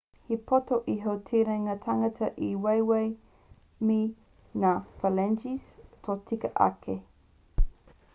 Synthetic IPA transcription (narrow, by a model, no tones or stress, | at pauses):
hipotoʔiɦowtʰiɾɐŋatʰɐŋɐtʰɐʔiwejwej | mi | naːpɐlɛnd͡ʒistʰotʰikəʔɐ̰kʰe